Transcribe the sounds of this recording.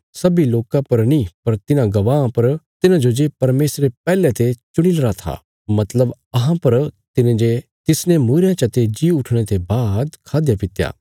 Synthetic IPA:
sɐbiloːkãpɐɾnĩpɐɾt̪ɪnãɡɐʋaːãpɐɾt̪ɪnãd͡ʒod͡ʒepɐɾmeːsɾepɛːlet̪et͡ʃʊɽ̃ilɐɾat̪ʰa̰ | mɐt̪ləb | ɐɦãpɐɾt̪ɪnẽd͡ʒet̪ɪsnemuɾjãt͡ʃɐt̪ed͡ʒiʊʈʰɽ̃et̪ebaːd̪kʰaːd̪japɪt̪ja̰ː

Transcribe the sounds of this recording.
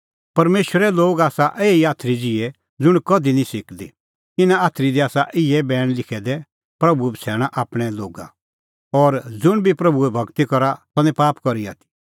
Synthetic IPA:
pɐɾmeːʃwəɾɛloːɡaːsaʔeːiaːt̪ʰɾid͡zɪɛ | d͡zʊɽ̃kɐd̪inĩsɪkd̪ḭ | t̪ɪnãaːt̪ʰɾid̪iaːsaʔɪɛbɛːɽ̃lɪkʰɛd̪ɛ | pɾɐbuɛbʱisʰɛːɽ̃aʔaːpɽ̃ɛloːɡa̰ | ɔːɾd͡zʊɽ̃bʱipɾɐbuɛbʱɐɡt̪ikɔɾat̪ɐ̃nɛ̃paːpkɔɾia̰ːt̪ʰi̥

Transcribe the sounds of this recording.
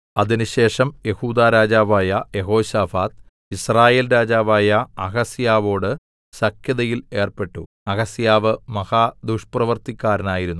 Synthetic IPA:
ɐðinuɕe̞ːʂɐmje̞huːd̪aːɾaːd͡ʑaːʋaːjɐje̞ɦo̞ːɕaːfaːt̪ | israːje̞ːlɾaːd͡ʑaːʋaːjɐɐɣɐsijaːʋo̞ːɽɨ | sɐkʰjɐðɐjile̞ːrpe̞ʈːu | ɐɣɐsijaːʋɨmɐhaːd̪uʂprɐʋɐrt̪ikʲːaːɾɐnaːjiɾunːu

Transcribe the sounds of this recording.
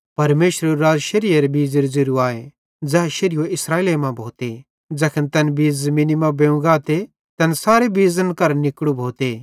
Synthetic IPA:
pɐɾmeːʃɾeɾaːd͡zʃɐɾɪjeɾebiːzɪɾzɪɾuaːe | d͡zɐɦʃɐɾɪjoɪsɾaːiːlemãbʱoːt̪e | d͡zɐkʰənt̪ɐnbiːzmɪnimãbẽũɡaːt̪e | t̪ɐnsaːɾebiːzənkɐɾnɪkɽubʱoːt̪e

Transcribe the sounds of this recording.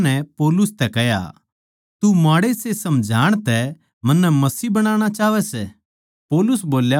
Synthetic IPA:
nɛpoːlʊst̪ɛkɛɦja̰ | t̪umaːɽesesɐmd͡ʒʱaːɽ̃t̪ɛ | mɐ̃nːɛmɐsibɐɽ̃aːɽ̃at͡ʃaːʋɛsɛ | poːlʊs̬boːlja

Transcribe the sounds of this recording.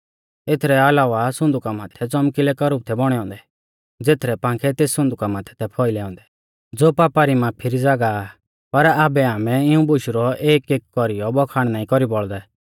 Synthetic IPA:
et̪ʰɾɛalaːʋasʊ̃nd̪ʊkamaːt̪ʰɛt͡sɔmkilɛkɐɾʊb̚t̪ʰɛbɔɽ̃ɛɔ̃ːnd̪ɛ | d͡zeːt̪ʰɾɛpãːŋkʰɛt̪eːssʊ̃nd̪ʊkamaːt̪ʰɛ̥t̪ʰɛpʰɔːilɛːɔ̃nd̪ɛ̥ | d͡zoːpaːpaɾimãːpʰɪɾid͡zaːɡa | pɐɾaːbɛaːmɛɪũbʊʃɾɔeːkeːkːɔɾijɔbɔkʰaːɽ̃naːĩkɔɾibɔɭd̪ɛ

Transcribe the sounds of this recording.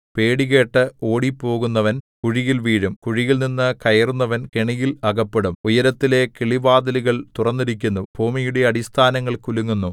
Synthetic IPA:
pe̞ːɽiɣe̞ːʈːɨo̞ːɽipːo̞ːɣunːɐʋɐn | kuɻijilʋiːɻumkuɻijilninːɨkɐjɐrunːɐʋɐnkeɳijilɐɣɐpːeɽumujɐɾɐt̪ːile̞keɭibaːd̪ɐliɣɐɭt̪urɐnːiɾik̬ʲːunːubʱuːmijuɽe̞ɐɽist̪ʰaːnɐŋːɐɭkuluŋːunːu

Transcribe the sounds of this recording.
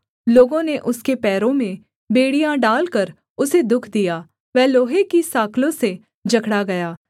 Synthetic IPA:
loːɡõneʔʊskepɛːɾõmẽ | beːɽijãɖaːlkəɾ | ʊsed̪ʊkʰd̪ijaː | ʋɛːloːɦekisaːkʰlõse | d͡ʒɐkʰɽaɡɐjaː

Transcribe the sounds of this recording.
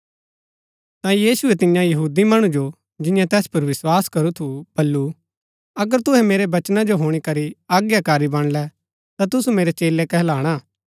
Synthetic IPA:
t̪ãjiːsʊɛt̪ɪjãjɐɦuːd̪imɐɽ̃ud͡ʒo | d͡ʒɪ̃jãt̪ɛːspɐɾʋɪswaːskɐɾut̪ʰub̥ɐlːu | ɐɡəɾt̪ʊɦɛmeːɾebɐt͡ʃnad͡ʒoɦoːɽ̃ikɐɾiaːɡjakaːɾibɐɽ̃lɛ | t̪at̪ʊsumeːɾet͡ʃeːlekɛɦɛlaːɽ̃aː

